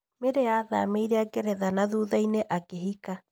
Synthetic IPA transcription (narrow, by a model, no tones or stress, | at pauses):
meɾeaða̰meiɾeakeɾɛðanaðuːðaineʔakeɦika